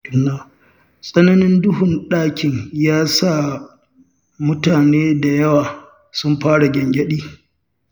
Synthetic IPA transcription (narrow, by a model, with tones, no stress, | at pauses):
ʔɪ˨nːaː˨ | sʼɐ˦nɐ˦nɪ˦ndʊ˦ɦʊ˨nɗaː˦kʲɪ˨ɲjaː˦saː˦˨ | mʊ˦taː˨neː˦da˨jɐ˦waː˨ | sʊ˦mɸaː˦ɽa˨ɡʲɐ˨ŋɡʲɐ˦ɗiː˦